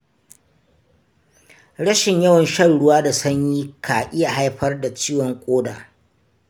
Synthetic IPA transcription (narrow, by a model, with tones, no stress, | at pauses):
ɽɐ˦ʃɪ˨ɲjɐ˦wɐ˨nʃɐ˦nɽʊ˦waː˦da˨sɐ˦ɲjiː˦kʰaː˨ʔɪ˦ja˨ɦa˦jɸɐ˦rda˨t͡ʃiː˦wɔ˨ŋkʷʼoː˦da̰ː˨